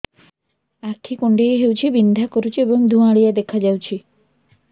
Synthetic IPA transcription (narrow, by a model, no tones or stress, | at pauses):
akʰikuɳɖejɦewt͡ʃʰibind̪ʱakɔɾut͡ʃʰiebɔŋd̪ʱuaɭijad̪ekʰad͡ʒawt͡ʃʰi